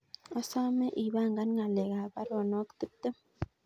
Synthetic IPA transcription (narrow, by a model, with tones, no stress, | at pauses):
a˦sa˦me˦ʔi˨βa˦˨ŋɡa˦nŋa˨le˨ɡa˨ba˦ɾo˨no˦kt̪ɨ˦t̪ːɨ˦